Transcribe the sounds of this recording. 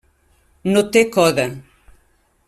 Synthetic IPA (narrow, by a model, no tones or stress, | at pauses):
not̪ekɔðɐ